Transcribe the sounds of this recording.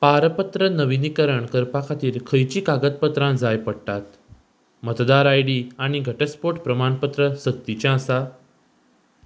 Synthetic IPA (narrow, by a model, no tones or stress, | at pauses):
paɾəpət̪ɾənəʋinikəɾəɳkəɾpakʰat̪iːɾkʰəjt͡ɕiːkaɡət̪̚pət̪ɾãd͡zajpəɽʈ̪at̪ | mət̪d̪aɾajɽiːaɽ̃iɡʱəʈəspoʈpɾəmanpət̪ɾəsək̚t̪it͡ɕjãsa